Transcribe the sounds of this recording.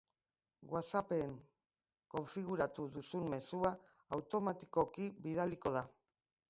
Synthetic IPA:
ɡwasape̞ŋ | ko̞ɱfiɣ̞uɾat̪uðusumme̞suaː | wt̪o̞mat̪i̥ko̞kiβiðaliko̞ð̞a

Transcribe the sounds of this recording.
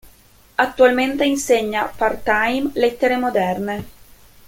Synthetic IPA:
at̪ːualment̪einseɲːapart̪ajmlet̪ːeɾemod̪ɛrne

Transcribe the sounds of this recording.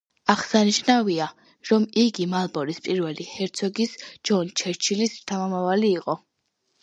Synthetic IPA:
aχsaniʃnavia | ɾɔmiɡimalˠbɔɾispʼiɾvɛlihɛɾt̪sʰɔɡisd͡ʒɔnt͡ʃʰɛɾt͡ʃʰilist̪ʰamamavaliːqʼɔ

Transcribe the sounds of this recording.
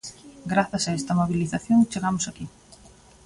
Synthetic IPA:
ɡɾaθɐsaest̪ɐmoβiliθaθjoŋt͡ʃeɣamʊsaki

